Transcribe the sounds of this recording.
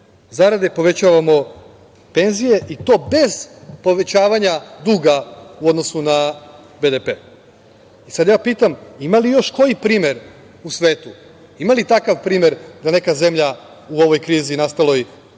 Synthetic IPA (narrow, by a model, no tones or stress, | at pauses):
zaɾad̪e̞po̞ʋe̞t͡ɕaʋamo̞ | pe̞nzije̞ʔit̪o̞ːbe̞z̥po̞ʋe̞t͡ɕaːʋaɲad̪uːɡaud̪no̞suna | bed̪epeː | isad̪jaːpiːt̪amimalijo̞ʃko̞jipɾiːme̞ɾ | usʋe̞ːt̪u | imalit̪akaʋpɾiːme̞ɾd̪ane̞kaze̞mʎa | uo̞ʋo̞jkɾiːzinast̪alˠo̞j